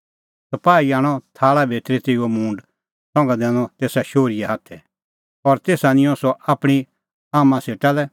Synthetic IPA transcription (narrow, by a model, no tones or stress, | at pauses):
sɐpaːiaːɽ̃ɔt̪ʰaːɭabʱeːt̪ɾit̪ɪomũːɳɖ | sɔ̃ŋɡãd̪ɛ̃ːñɔt̪eːsaʃoːɾijaɦat̪ʰɛ | ɔɾt̪eːsanɪ̃jɔ̃sɔʔaːpɽ̃i | aːmãseːʈalɛ